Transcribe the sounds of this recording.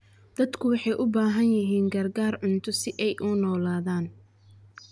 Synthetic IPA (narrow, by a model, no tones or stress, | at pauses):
d̪ɐd̪kʰʊwɑħɑjʔʊbaːɦɐnjɪɦiːŋɡɐrɡaːrʕʊnt̪ʰʊsɪʔɛjʔʊnɔːlaːðaːn